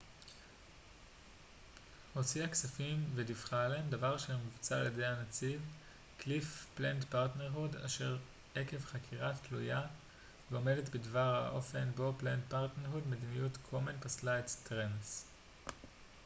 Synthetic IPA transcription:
ho̞t͡siaksafimvedifχalendavaʁʃemivut͡saːljedehanat͡siv | klifplendpaʁtneʁɦuda̰ʃe̞ʁ | eke̞vχakʰiʁatluja | veo̞me̞detbedvaʁha̰ʔo̞fe̞nbo̞plent̚paʁtneʁɦudmed̪inijutkʰomenpaslaetstʁens

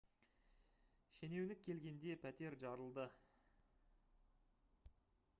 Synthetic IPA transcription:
ʃene̞wnɪkʲʰːe̞lɡʲe̞nd̪e̞pʰæt̪e̞ɾʒɑɾəlˠd̪ə

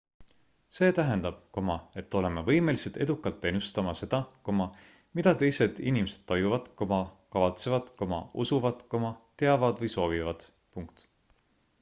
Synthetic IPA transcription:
se̞ːt̪æɦe̞nd̪̥ɑb̥̚ko̞mɑe̞t̪ːˑo̞le̞mevɤ̞jme̞liset̪e̞d̪ukːˑɑlt̪ːe̞nːust̪ɑmɑse̞d̪̥ɑko̞mɑ | mid̪̥ɑt̪e̞jse̞d̪̥inimese̞d̪̥t̪ːɑjuvɑd̪̥komɑkɑvɑt̪se̞vɑd̪̥komɑ̰usuvɑd̪̥ko̞mɑt̪e̞ɑvɑd̪̥vɤjso̞ːvivɑd̪̥ | puŋkt̪

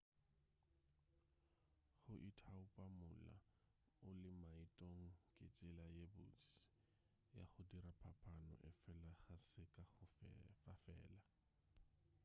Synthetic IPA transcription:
χʊʔitʰaʊpʼamʊla̰ | ʊlɪmaitʼoŋ̩kʼɪt͡sʼɪlajebʊt͡si̥ | ja̰χʊdiɾapʰapʰanɔ̰ʔɪfɛlaχasɪkʼaχʊfafɛ̰ːla

